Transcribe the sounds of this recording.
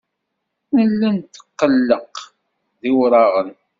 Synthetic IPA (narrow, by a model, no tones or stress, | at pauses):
nəlːænt̪ːə̥qːəlːəq | ðiwɾˤɑʁən